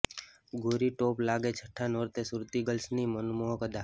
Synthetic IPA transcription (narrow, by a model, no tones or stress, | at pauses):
ɡoːɾiʈoːplaːɡet͡ʃʰəʈʰːanoːɾt̪esʊɾt̪iɡəlsnimənmoɦkəd̪aː